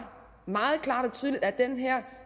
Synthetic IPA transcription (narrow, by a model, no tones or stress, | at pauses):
mɑ̈ːð̞̩ˠkʰlɑ̈ːɾɒt͡sʰyːð̞ˠlid̥æd̥enɦɛɐ̰